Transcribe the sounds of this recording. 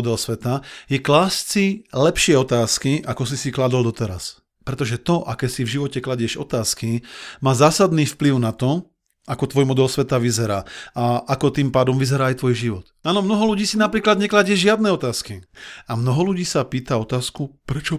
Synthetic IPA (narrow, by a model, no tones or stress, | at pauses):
ɔd̪ɛlsʋɛt̪ajɛklaːst͡silɛpʃɪɛɔt̪aːskiʔakɔs̬isiklad̪ɔld̪ɔt̪ɛɾa̰s | pɾɛt̪ɔʒɛt̪ɔʔakɛːsivʒiʋɔcɛklaɟɛʒɔ̰t̪aːskimaːzaːsad̪niːfpliʊnat̪ɔ | akɔt̪ʋɔjmɔd̪ɛlsʋɛt̪aʋizɛɾaːaʔakɔt̪iːmpaːd̪ɔmʋizɛɾaːajt̪ʋɔjʒiʋɔt̪aːnɔmnɔɦɔluɟiːsinapɾiːklad̪ɲɛklaɟɪɛʒʒɪad̪̚nɛɔt̪aːskiamnɔɦɔluɟiːsapiːt̪aɔt̪aːskupɾɛt͡ʃɔ